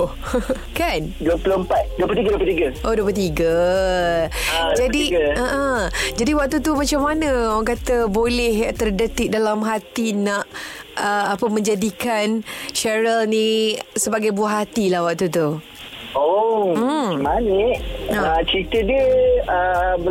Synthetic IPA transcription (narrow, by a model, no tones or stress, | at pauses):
kanduəpuloəmpat̪̚duəpəlt̪iɡəduəpəlt̪iɡəʔoduəpət̪iɡə | d͡ʒadiəəʔəd͡ʒadiwak̚t̪ut̪umat͡ʃamːanəaŋkat̪əbolɛht̪ərdət̪ɪʔ̚dalamɦat̪inaʔəapəmə̃ɲd͡ʒadikanʃɛɾəlnĩsəbaɡajbuaɦat̪ilahwak̚t̪ut̪u | o | manəʔət͡ʃit̪ədəə